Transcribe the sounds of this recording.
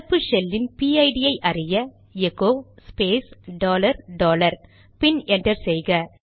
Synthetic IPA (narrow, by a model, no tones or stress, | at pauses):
pːɯʃɛlːɪnpiːɐɪɖɪjɐɪʔɐrɪjɐ | ɛɣoːspeːsɖoːlɐɾɖoːlɐɾ | pɪnɛndrɐɾsɛjɣɐ